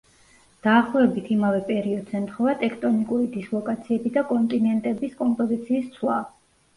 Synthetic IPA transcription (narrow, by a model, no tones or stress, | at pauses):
d̪̥aːχlˠɔvɛbit̪ʰimavɛpʼɛɾiɔd̪z̥ɛmt̪ʰχɔvat̪ʼɛkʰt̪ʼɔnikʼuɾid̪islˠɔkʼat̪sʰiɛbid̪akʼɔnt̪ʼinɛnt̪ʼɛbiskʼɔmpʼɔzit̪sʰiːst̪sʰwa